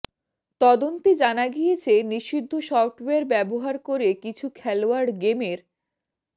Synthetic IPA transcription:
t̪ɔd̪ont̪id͡ʑanaɡijet͡ɕʰeniʃid̪ʱːoʃɔfʈwaɾbɛboɦaɾkoɾekit͡ɕʰukʰɛloaɽɡemeɾ

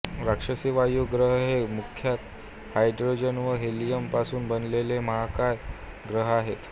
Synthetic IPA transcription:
ɾakʂəsiʋajuɡɾəɦɦemukʰːjat̪ | hajɖɾod͡ʑənʋəɦelijəmpasuːnbənleleməɦakaj | ɡɾəɦaɦet̪

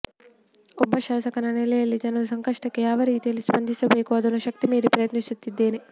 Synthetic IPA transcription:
ubːɐʃaːsɐkɐnɐnilɐjɐlːid͡ʒɐnɐɾusɐŋkɐʂʈɐkːejaːʋɐɾiːt̪ijɐlːispɐnd̪ʱisɐbeːkuːɐd̪ɐnːuʃɐk̚t̪imiːɾipɾɐjɐt̪nisut̪ːid̪ːe̞ːni

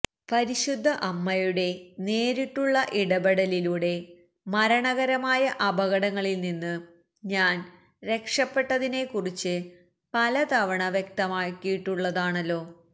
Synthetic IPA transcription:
pɐɾiɕud̪ʱːɐʔɐmːɐjuɽe̞ne̞ːɾiʈːuɭːɐʔiɽɐbɐɽɐliluːɽe̞ | mɐɾɐɳɐɣɐɾɐmaːjɐʔɐbʱɐɣɐɽɐŋːɐɭilninːɨ | ɲaːn | ɾe̞kʂɐpːe̞ʈːɐðine̞kurit͡ɕːɨ | pɐlɐt̪ɐʋɐɳɐʋje̞k̚t̪ɐmaːkːijiʈːuɭːɐðaːɳɐlːo̞ː

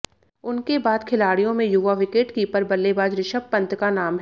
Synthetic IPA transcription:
ʊnkebaːd̪kʰɪlaːɽijõmẽjʊʋaʋɪkeːʈkipəɾbɐlːeːbaːd͡ʒɾɪʃəb̚pɐ̃nt̪kanaːmɦ

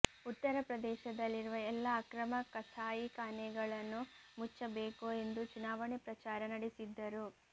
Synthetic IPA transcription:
ut̪ːɐɾɐpɾɐd̪ɛːʃɐd̪ɐlːiɾuʋɐɛlːɐːkɾɐmɐkɐt̪ʰaːjikaːnɛɡɐɭɐnːumut͡ʃːɐbeːkue̞nd̪ut͡ʃunaːʋɐɳepɾɐt͡ʃaːɾɐnɐɽisid̪ːɐɾu

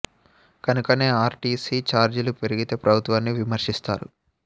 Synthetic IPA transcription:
kɐnukɐne̞ːaːɾʈiːsiːt͡ʃaːɾd͡ʒulupe̞ɾiɡit̪e̞ːpɾɐbʱut̪ʋaːnːiʋimɐɾʂist̪a̰ːɾṵ

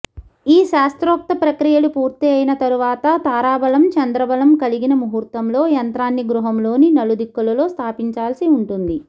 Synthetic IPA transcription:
iːʃaːst̪ɾoːk̚t̪ɐpɾɐkɾijɐlupuːɾt̪iɐjinɐt̪ɐɾuʋaːt̪ɐt̪aːɾaːbɐlɐmt͡ʃɐnd̪ɾɐbɐlɐmkɐliɡinɐmuɦuɾt̪ɐmlo̞ːjɐnt̪ɾaːnːiɡɾuɦɐmlo̞ːninɐlud̪ikːɐlɐlo̞ːst̪ʰaːpiɲt͡ʃaːlsiuɳʈund̪i

